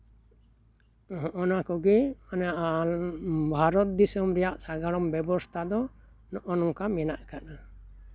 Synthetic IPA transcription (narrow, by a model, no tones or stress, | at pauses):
hɔʔɔnakɔɡɛanaʔa | bʱaɾɔt̪̚d̪isɔmɾɛjaʔsaɡaɽɔmbɛbɔst̪ʰad̪ɔ | nɔʔɔnɔmkamɛnaʔkaʔa